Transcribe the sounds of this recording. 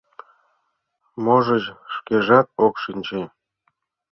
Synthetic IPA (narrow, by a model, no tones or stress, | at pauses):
moʒɤ̆ʑʃkeʒɑt̪̚okʃinʲt͡ɕe